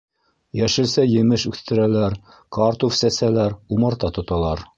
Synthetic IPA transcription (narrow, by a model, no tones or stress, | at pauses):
jæʃɘ̆lsæjɘ̆mɘʃʉθt̪ɘ̆ɾælæɾ | kɑɾt̪ufsæsælæɾumɑɾt̪ɑt̪ŏt̪ɑlˠɑɾ